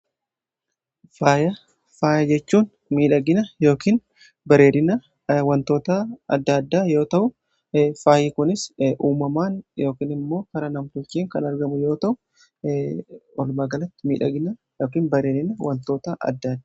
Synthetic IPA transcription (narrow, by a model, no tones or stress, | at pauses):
faːjɐ | faːjɐd͡ʒɛt͡ʃːuːn | miːᶑɐɡɪnɐjo̞ːkiːn | bɐɾe̞ːɾɪnɐ | wɐnt̪o̞ːt̪aɐ̰d̪ːɐd̪ːaːjo̞ːt̪ɐʔʊ | faːjɪkʊnɪsʔuːmɐmaːnjo̞ːkiːnɪmːo̞ːkɐɾɐnɐmt̪ʊt͡ʃːiːŋkɐnɐɾɡɐmʊjo̞ːt̪ɐʔʊ | ɔlmaːɡɐlɐt̪ːɪmḭːᶑɐɡɪnɐjoːkiːnbɐɾe̞ːɾɪnɐwɐnt̪o̞ːt̪aʔɐ̰d̪ːɐd̪ːaː